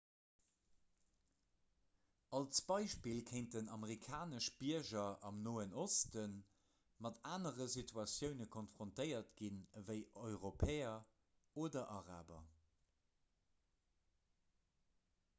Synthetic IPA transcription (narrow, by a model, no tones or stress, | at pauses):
ɑlt͡sb̥ɑɪʃpilkʰeɪnt̚dənɑməʁikʰaːnəʃb̥iɐʒɐɑmnoːənostən | mɑtaːnəʁəsitʰuɑsjəʊnəkʰonfʁ̥ontəɪɐtɡinvəɪʔɔʏʁopʰɛːɐ | oːdɐʔɑʁa̰ːbɐ̰